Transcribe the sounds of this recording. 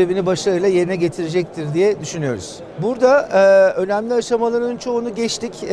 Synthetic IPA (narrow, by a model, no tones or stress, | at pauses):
ebinibaʃlˠaɾɯjlˠaje̞ɾinɛɟe̞t̪ʰiɾed͡ʒɛc̚t̪ʰiɾd̪ijɛd̪yʃynyjo̞̰ɾṵz̥ | buɾd̪aø̞næmlʲiaʃamalˠaɾɯnt͡ʃʰo̞unuɟɛt͡ʃt̪ʰic